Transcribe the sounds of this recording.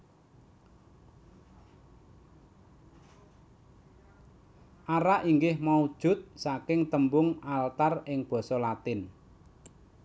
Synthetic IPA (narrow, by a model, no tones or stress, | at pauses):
ʔaɾaʔiŋɡɪhmaud̥ʒ̥ʊ̤t̪̚sakɪŋt̪əmbʊŋalt̪arɪŋb̥ɔ̤sɔlat̪ɪn